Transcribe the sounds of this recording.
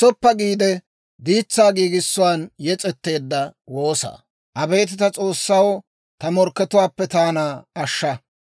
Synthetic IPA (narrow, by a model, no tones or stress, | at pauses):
sɔpːɐɡiːd̪ɛ | d̪iːt͡sːaːɡiːɡɪsːʊwaːnjɛt͡sʼɛt̪ːe̞ːd̪ːɐwo̞ːsa̰ː | ʔɐbe̞ːt̪̬ɪt̪ɐt͡sʼo̞ːsːɐwɔ | t̪ɐmɔɾkːɛt̪ʊwaːpːɛt̪aːnaːɐʃːɐ